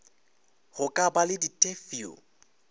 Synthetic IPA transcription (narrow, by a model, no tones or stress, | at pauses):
ɣʊkʼabalɪditʼefio̰